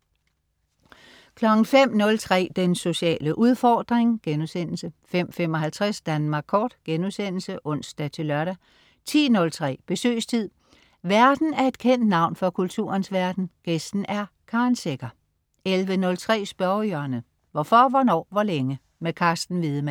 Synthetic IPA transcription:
kʰlɒ̽ɡ̥n̩fem̰nɔ̽lt͡sʰʁɛ̰ːd̥enso̝ɕiɛ̰ːləʔuð̞ˠfɒːd̥ʁeŋɡ̥enusen̰l̩səfem̰fem̰ɒ̽ɦælt͡sʰʁasd̥ænmɑ̈ːɡ̥kʰɒ̰ːd̥ɡ̥enusen̰l̩səʔɔ̽n̰sd̥æt͡sʰe̝lœɐɾæ | t͡sʰḭːnɔ̽lt͡sʰʁɛ̰ːb̥e̝sø̰ːst͡sʰið̞̰ˠ | ʋæɐd̥n̩æɐe̝d̥kʰen̰d̥nɑ̈ʊ̰nfɒ̽kʰult͡sʰṵːɐnsʋæɐd̥n̩ɡ̥esd̥n̩æɐ | kʰɑ̈nseɡ̥ɐ | elʋənɔ̽lt͡sʰʁɛ̰ːsb̥ɶɐjœɐnə | ʋɒfɒ̽ʋɒnɒ̰ːʋɒleŋə | mekʰɑ̈sd̥n̩ʋiðˠəmæ

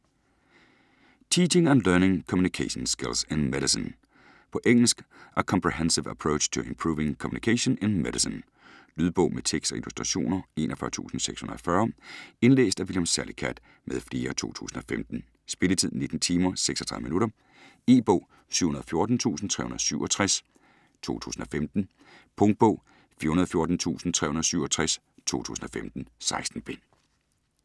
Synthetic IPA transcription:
t͡sʰiːt͡ʃe̝ŋænlœɐneŋkʰɒ̽mjunikʰeɕɔnsɡ̥elsenmeɾisen | pʰɒ̽ʔeŋ̰l̩sɡ̥ʔækʰɒmpʰʁiɦensiʋæpʰʁoʊ̥ɕt͡sʰuempʰʁuːʋe̝ŋkʰɒmjunikʰeɕɔnenmed̥isən | lyð̞ˠb̥ɔ̽ʊ̰met͡sʰeɡ̥sɒelusd̥ʁɑɕo̝̰ːnɐe̝̰ːnʔɐfɶɐt͡sʰṵːsn̩seɡ̥shunɐɒfɶːɐe̝nlḛːsd̥æʋiljemsæɐlikʰæd̥ | mʔeð̞ˠfle̝ːɐt͡sʰo̝̰ːt͡sʰṵːsn̩ɒ̽femd̥n̩ | sb̥e̝lət͡sʰiðˠne̝d̥n̩t͡sʰiːmɐseɡ̥sɒ̥̽t͡sʰʁɑðˠminuɾɐ | e̝̰ːb̥ɔ̽ʊ̰ | sy̰ʊhunɐðˠɒfjo̝ɐd̥n̩t͡sʰṵːsn̩t͡sʰʁɛ̰ːhunɐðˠsyʊ̰ɒ̽t͡sʰʁas | t͡sʰo̝̰ːt͡sʰṵːsn̩ɒ̽femd̥n̩ | pʰɔ̽ŋd̥̚b̥ɔ̽ʊ̰ | fiɐhunɐðˠɒfjoɐd̥n̩t͡sʰṵːsn̩t͡sʰʁɛ̰hunɐðˠsyʊ̰ɒ̽t͡sʰʁas | t͡sʰo̝̰ːt͡sʰṵːsn̩ɒ̽femd̥n̩sɑ̈ɪsd̥n̩b̥e̝

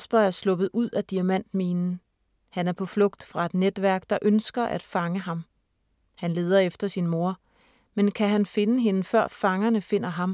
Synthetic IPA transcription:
sb̥ɐæɐslɔ̽b̥ð̩ˠuð̞̰ˠæd̥iæmæn̰d̥miːnn̩ | hænæɐpʰɒ̽flɔ̽ɡ̥̚d̥fʁɑ̈e̝d̥ned̥ʋæɐ̰ɡ̥d̥ɑ̈ʔønsɡ̥ɐʔæd̥fɑ̈ŋəɦɑ̈m | hænle̝ːð̞ˠɐefd̥ɐsinmo̝ɐ | menkʰæɦænfe̝nəɦe̝nəfɶɐ̰fɑ̈ŋɐnəfe̝n̰ɐɦɑ̈m

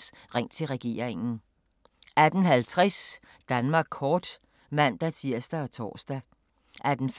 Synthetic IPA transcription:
s | ʁeŋ̰t͡sʰe̝lʁɛɡ̥e̝̰ːɐ̰ʁeŋn̩ | ʔæd̥n̩ɦælt͡sʰʁɛs | d̥ænmɑ̈ːɡ̥̚kʰɒːd̥ | mæn̰d̥æt͡sʰiɐsd̥æɒ̽t͡sʰɒ̰ːsd̥æ | ʔæd̥n̩f

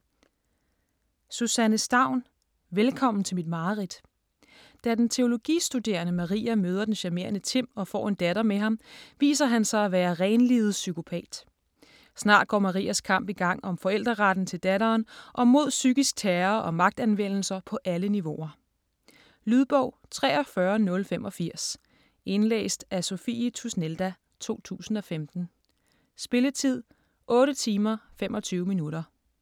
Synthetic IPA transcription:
susænəsd̥ɑ̈ʊ̰n | ʋelkʰɒ̽m̰n̩t͡sʰe̝lmid̥mɑ̈ːʁid̥ | d̥æd̥ent͡sʰe̝o̝lo̝ɡ̥ḭːsd̥ud̥e̝ːɐnəmɑʁḭːæmøːð̞ˠɐd̥enɕæme̝̰ːɐnət͡sʰe̝m̰ɒ̽fɒ̰ːe̝nd̥æɾɐmeɦɑ̈mʋḭːsɐɦænsɑ̈ɪæʋæːɐʁɛɪnlið̞̩ˠsykʰo̝pʰɛ̰ːd̥ | snɑ̰̈ːd̥̚ɡ̥ɒ̰ːmɑ̈ʁḭːæskʰɑ̈m̰b̥iɡ̥ɑ̈ŋ̰ɒ̽mfɒ̽el̰d̥ʁɐʁad̥n̩t͡sʰe̝ld̥æɾɐːnʔɒ̽mo̝ð̞̰ˠsyɡ̥isɡ̥̚t͡sʰæːɐʔɒ̽mɑ̈ɡ̥̚d̥ænʋen̰l̩sɐpʰɒ̽ʔæləniʋo̝ɐ | lyð̞ˠb̥ɔʊ̰t͡sʰʁɛ̰ːɒ̽fɶɐnɔ̽lfemʔɒ̽fiɐ̰s | e̝nlḛːsd̥æso̝fit͡sʰusneld̥æ | t͡sʰo̝̰ːt͡sʰṵːsn̩ɒ̽femd̥n̩ | sb̥e̝lət͡sʰið̰ˠ | ʔɔ̽ːɾət͡sʰiːmɐfemʔɒ̽t͡sʰyːʊminuɾɐ

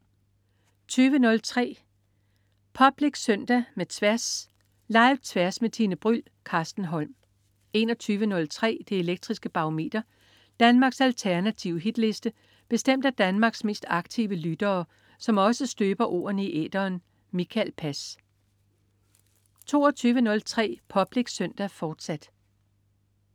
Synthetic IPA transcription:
t͡sʰyːʋənɔ̽lt͡sʰʁɛ̰ː | pʰɒ̽b̥le̝ɡ̥sœn̰d̥æmet͡sʰʋæɐs | lɑ̈ɪt͡sʰʋæɐsmet͡sʰinəb̥ʁyl̰ | kʰɑ̈ːsd̥n̩ɦɒ̽lm | e̝nɒt͡sʰyːʋənɔ̽lt͡sʰʁɛ̰ːd̥ee̝leɡ̥̚d̥ʁisɡ̥əb̥ɑ̈ome̝̰d̥ɐ | d̥ænmɑ̈ːɡ̥sælt͡sʰæɐnæt͡sʰiʊɦid̥le̝sd̥ə | b̥e̝sd̥em̰d̥æd̥ænmɑ̈ːɡ̥sme̝̰ːsd̥ɑ̈ɡ̥̚t͡sʰiʊəlyd̥ɐː | sɒ̽mɒ̽səsd̥øːb̥ɐʔo̝̰ːɐnəiʔḛːd̥ɐːn | mikʰælpʰæs | t͡sʰo̝ːɒt͡sʰyːʋənɔ̽lt͡sʰʁɛ̰ːpʰɒ̽b̥le̝ɡ̥sœn̰d̥æfɒːd̥sæd̥

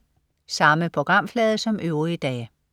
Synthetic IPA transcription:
sɑ̈məpʰʁo̝ɡ̥ʁɑ̈m̰flɛːð̞ˠəsɒ̽mʔøʊʁid̥ɛ̰ː

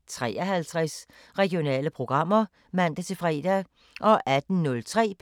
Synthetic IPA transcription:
t͡sʰʁɛ̰ːæhælt͡sʰʁɛs | ʁɛɡ̥ijo̝nɛ̰ːləpʰʁo̝ɡ̥ʁɑ̈m̰ɐ | mæn̰d̥æt͡sʰe̝fʁɛ̰ːd̥æ | ʔɒ̽ʔæd̥n̩nɔ̽lt͡sʰʁɛ̰ːpʰ

